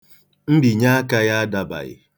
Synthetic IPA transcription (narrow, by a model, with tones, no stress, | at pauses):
m̩˦bi˨ɲa˦a˦ka˦ja˦a˦da˨ba̰˨ɣɪ̰˨